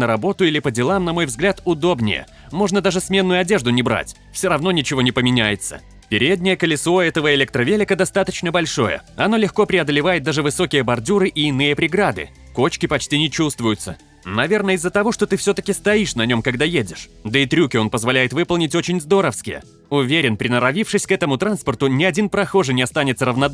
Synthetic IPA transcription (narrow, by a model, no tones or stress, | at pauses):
nəɾɐbo̞t̪ʊilʲɪpədʲɪlˠamnɐmo̞jvzɡlʲat̪ʊd̪o̞bnʲɪ̰jə̰ | mo̞ʐnəd̪aʐɨsmʲe̞nːʊjʊɐdʲe̞ʐd̪ʊnʲɪbɾa̰tʲ | fsʲoɾɐvno̞nʲɪt͡ɕɪvo̞nʲɪpəmʲɪnʲæjɪt̪sə̰ | pʲɪɾʲed̪ʲnʲɪjəkəlʲɪsoɛt̪əvəɪlʲek̚t̪ɾəvʲelʲɪkəd̪ɐst̪at̪ət͡ɕnəbɐlʲʂo̞̰jə̰ɐno̞lʲɪxko̞pɾʲɪɐd̪əlʲɪvajɪt̪̚d̪aʐɨvɨso̞kʲɪjəbɐrdʲuɾɨʔɪːnɨjəpɾʲɪɡɾad̪ɨ̰ | ko̞t͡ɕkʲɪpɐt͡ɕtʲinʲɪt͡ɕust̪vʊjʊt̪sə | nɐvʲe̞rnəɪzːət̪ɐvo̞ʂt̪o̞t̪ɨfsʲot̪əkʲɪst̪ɐiʂnɐnʲo̞mkɐɡd̪ajedʲɪʂd̪əɪt̪ɾʲukʲɪo̞npəzvalʲæjɪt̪vɨpəlˠnʲɪtʲo̞t͡ɕɪnʲzd̪o̞ɾəfskʲɪjə̰ | ʊvʲeɾʲɪnpɾʲɪnəɾɐvʲifʂɨsʲkɛt̪əmʊt̪ɾanspərt̪ʊnʲɪɐdʲinpɾɐxo̞ʐɨnʲɪɐst̪anʲɪt̪səɾəvnɐd̪